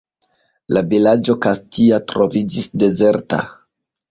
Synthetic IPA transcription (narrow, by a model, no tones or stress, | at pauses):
lavilad͡ʒo̞kastiatɾo̞vid͡ʒisde̞ze̞ɾta̰